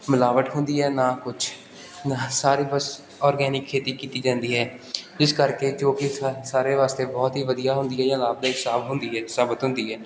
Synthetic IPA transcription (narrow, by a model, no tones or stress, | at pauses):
mɪlaːʋəʈɦʊnd̪iːɦɛːnaːkʊt͡ʃʰ | nasaːɾiːbəs | ɔːɾɡɛːnɪkʰːeːt̪iːkiːt̪iːd͡ʒãːnd̪iːɦɛː | d͡ʒɪskəɾkeːt͡ʃoːkisaːɾeːʋaːst̪eːbɔːt̪ɦiːʋəd̪ijaːɦʊ̃nd̪ijɛːjãːlaːb̚d̪aːksaːbɦʊnd̪iːɦɛːsaːbət̪ɦʊ̃nd̪iːɦɛː